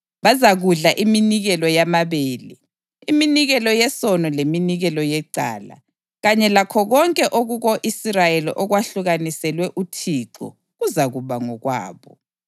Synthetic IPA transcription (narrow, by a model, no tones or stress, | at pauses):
βazaɣuɮaʔiminiɣɛlɔjamaβeːli | iminiɣɛlɔjɛsɔnɔleminiɣɛlɔjɛǀa̰ːla̰ | ɣaɲɛlakʰɔɣɔŋkʼɛʔoɣuɣoʔisirajelḭʔɔɣwaɬuɣanisɛlwɛʔutʰiǁɔ̰ | ɣuzaɣuβaŋɔɣwa̰ːβɔ̰